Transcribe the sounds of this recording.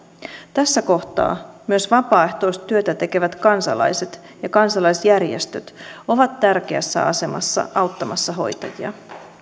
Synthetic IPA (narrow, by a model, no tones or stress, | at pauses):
t̪æsːæko̞ht̪ɑ̰ːmyøsʋɑpɑːe̞ht̪o̞jst̪t̪yø̞t̪æt̪e̞ke̞ʋæt̪kɑnsɑ̰lɑ̰jse̞t̪ | jɑkɑnsɑlɑjsjærjest̪øt̪o̞ʋɑt̪tærk̟e̞æ̰sːæ̰ɑ̰se̞mɑ̰sːɑ̰ʔɑwt̪ːɑmɑsːɑɦo̞̰jt̪ɑjiɑ̰